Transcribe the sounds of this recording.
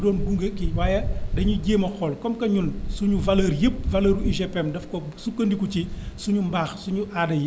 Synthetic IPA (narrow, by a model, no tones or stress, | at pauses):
dɔːnɡuŋɡəkiwaːjɐdɐɲuɟeːmɐxɔlkɔmkɐɲulsuɲuvɐlɐːɾjəp̚vɐləːɾuiʒɛpɛmdɐfkɔsukːɐndikucisuɲumbaːxsuɲuʔadɐj